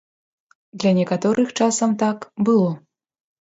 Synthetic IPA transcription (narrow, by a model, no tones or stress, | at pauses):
d̪lʲanʲɛkat̪ɔɾʔɨxt͡ʂasɐmt̪akbɨlˠɔ